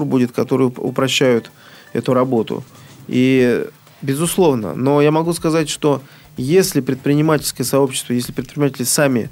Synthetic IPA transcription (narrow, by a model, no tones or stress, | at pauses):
rbudʲɪt̪kɐt̪o̞ɾɨjʊ̰pɾɐɕːæjʊt̪ | ɛ̰t̪ʊɾɐbo̞t̪ʊ̰ | i | bʲɪzʊslˠo̞vnə̰no̞jamɐɡuskɐzatʲʂt̪o̞ | jesʲlʲɪpɾʲɪt̪̚pɾʲɪnʲɪmatʲɪlʲskəjəsɐo̞pɕɪ̥st̪vəjesʲlʲɪpɾʲɪt̪pɾʲɪnʲɪmatʲɪlʲsamʲɪ̰